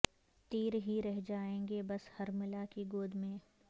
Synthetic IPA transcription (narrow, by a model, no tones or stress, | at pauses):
t̪iːɾɦiɾɛɦd͡ʒaːẽːŋɡebɐshɐɾmɪlakiɡoːd̪ʱmẽː